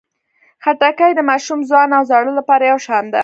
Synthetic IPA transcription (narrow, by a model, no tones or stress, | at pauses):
xaʈakajd̪əmɑʃumzwɑnawzaɽəlapɑɾajawʃɑnd̪a